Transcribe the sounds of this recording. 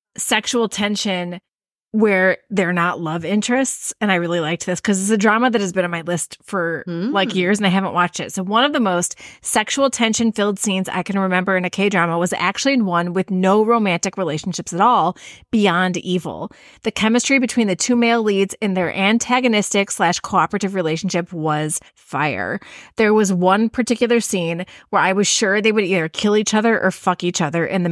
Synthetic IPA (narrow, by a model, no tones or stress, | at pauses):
sɛkʃul̩ˠtʰɛ̃nʃɨ̃n | wə˞ðə˞nəʔˡlʌvɪ̃nt͡ʃɹ̥ɨstsɨ̃ñaɪɹɪlˠilaɪk̚ðɪskʰʌzɨsɨdɹɑməðɨt̚hɨzbɨ̃nnmaɪlɪstfə˞laɪkjɪɹzɨ̃naɪɦævə̃n̩ʔwʔɑt͡ʃtɨ̰tsoʊwʌ̃nʌvðəmoʊstsɛkʃuwl̩ˠtʰɛ̃nʃɨ̃nfilˠd̥sĩnza̰ɪkɨ̃nɹɨmɛ̃mbə˞ɨ̃nɨkʰeɪdɹɑməwʌzæ̰k̚t͡ʃʉl̩ˠiwʌ̃nwɨðnoʊɹõʊmæ̃ntɨkɹileɪʃn̩ʃɪpsɨɾɔlˠb̥iɑ̃ndivl̩ˠ | ðɨkʰɛmɨstɹ̥ibɨtʰw̥ĩnðɨtʰʉmeɪlˠlidzɨ̃nðə˞ʔæ̃ntʰæɡɨnɪstɪkslæʃkʰɑpɹɨɾɨvɹileɪʃn̩ʃɪpwʌz̥ | faɪə̰˞ðə˞wʌzwʌ̃npʰə˞tɪkjl̩ˠə˞sĩnwə˞aɪwʌz̥ʃʊɹðeɪwɨɾiðə˞kʰɪlˠit͡ʃʌðə˞ʔə˞fʌkit͡ʃʌðə˞ʔɨ̰̃nðɨ